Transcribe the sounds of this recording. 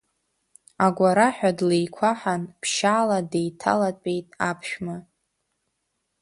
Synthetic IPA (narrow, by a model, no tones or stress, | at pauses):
aɡʷaɾaħᶣadlejkʷʰaħanpʰʃaːladejtʰa̰latʼejtʼapʰʃᶣma